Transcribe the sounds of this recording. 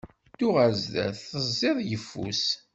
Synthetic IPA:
t̪ːʊʁazðæ̰θːəzˤːeðˤjəfːṵs

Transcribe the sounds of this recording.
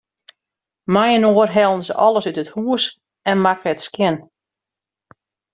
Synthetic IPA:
majənoərɦɛlˠənsəʔɔlˠəsytəthuːəs | ɛnmakətskjɪn

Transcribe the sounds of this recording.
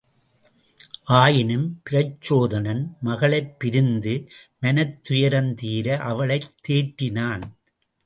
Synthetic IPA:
ʔaːjɪnɯmpɪɾɐt͡ʃːoːðɐnɐnmɐɣɐɭɐɪpːɪɾɯnd̪ɯmɐnɐt̪ːʊjɐɾɐnt̪iːɾɐʔɐʋɐɭɐɪt̪ːeːʈːɪnaːn

